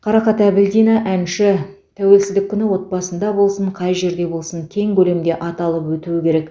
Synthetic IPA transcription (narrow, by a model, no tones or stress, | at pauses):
qʰɑɾɑχɑt̪æbɪld̪ijnɑʔænʃɪ | t̪ʰæwe̞lsɪzd̪ɪkʲʰːʏnɪwo̞t̪̚bɑsənd̪ɑbo̞lˠsəɴqʰɑjʒe̞ɾd̪e̞bo̞lˠsəŋkʲʰe̞ŋkʲɵlemd̪e̞ʔɑt̪ɑlˠəpwɵt̪uwɪkʲʰe̞ɾe̞k